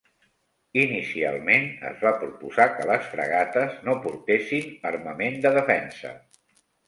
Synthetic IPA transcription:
inisia̰lˠmenə̰zβapɾupuzakələsfɾə̰ɣat̪əznopuɾt̪esinərməmend̪əðəfɛnsə̰

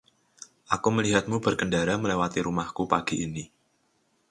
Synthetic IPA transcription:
ʔakuməliɦat̪̚mub̥ərkəndaɾaməlewat̪iɾumahkupaɡ̥iini

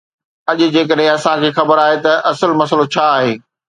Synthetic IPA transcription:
ɐʄʊ̆d͡ʑeːk̬əɗɦẽɐsãkʰeːxɐbəɾaːɦet̪ɐʔɐsəlmɐsəlot͡ɕʰaːɦeː

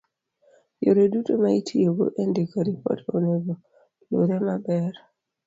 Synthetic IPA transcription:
joɾedutomaitʰioɡo̰ʔendekoɾipɔ̰tonebo | lo̰ɾemabɛɾ

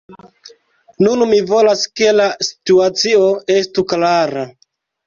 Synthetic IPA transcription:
nunmivo̞laske̞lasi̥tuat͡sio̞e̞stuklaɾa

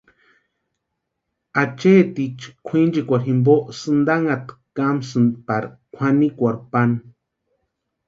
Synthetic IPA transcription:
at͡ʃet̪it͡ʃkʷʰĩnd͡ʒikʷaɾɦimboʔsɨnd̪aŋat̪ | kamsɨnd̪paɾkʷʰanikʷaɾpan

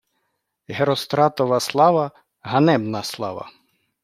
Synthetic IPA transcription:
ɦeɾɔst̪ɾɑt̪ɔʋɐslˠɑʋɐ | ɦɐnɛbnɐslˠɑ̰ʋɐ̰

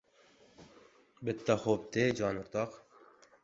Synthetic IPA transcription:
bɪt̪ːaxoːp̚t̪eːd͡ʒɑːnʊɾt̪ɑːq

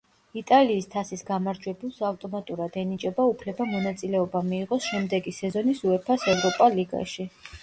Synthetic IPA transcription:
it̪ʼaliːst̪ʰasisɡamaɾd͡ʒwɛbulˠsavt̪ʼɔmat̪ʼuɾad̪ɛnit͡ʃʼɛbaupʰlɛbamɔnat̪sʼilɛɔbamiːʁɔsʃɛmd̪ɛɡisɛzɔnisuɛpʰasɛvɾɔpʼaliɡa̰ʃi

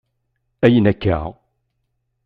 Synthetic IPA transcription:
æjənækːa̰ʁ

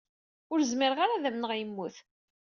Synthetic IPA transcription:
ʊɾzmɪɾəʁaɾaðæmnəʁjmːuθ

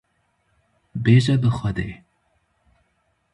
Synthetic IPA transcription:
beʒad̪əxwad̪e

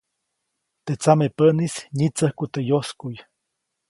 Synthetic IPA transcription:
t̪et͡samepənisɲit͡səhkut̪ejoskuj

